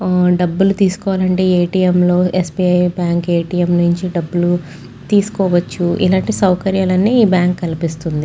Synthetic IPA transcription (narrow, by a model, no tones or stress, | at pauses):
ɖɐbːulut̪iːsu̥kɔːʋaːlɐɳʈe̞ːeːʈiːemlo̞ːʔesbiɐjbjaːŋke̞ːʈiːemnuɲt͡ʃiɖɐbːulu | t̪iːsu̥kɔːʋɐt͡ʃːuḭlaːɳʈisɐwkɐɾjaːlɐnːiːiːbjaːŋkːɐlipist̪und̪i